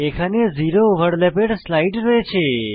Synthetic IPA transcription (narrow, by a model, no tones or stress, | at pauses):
ekʰaneziɾoʋəɽlepeɖslaiʈɾoet͡ʃʰe